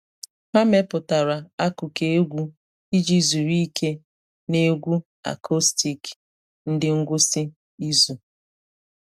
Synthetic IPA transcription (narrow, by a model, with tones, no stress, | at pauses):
ha˦me˦pʊ˨ta˨ɾa˨a˦kʊ˨ke˦e˦ɡʷu˦ | i˦d͡ʒi˦zu˨ɾi˦i˦kʰe˦ | ne˦ɡʷu˦ | a̰˨kʰɔ˦sti˨k | n̩˦dɪ˦ŋ̩˦ɡʷʊ˦sɪ˦ | i˦zu˨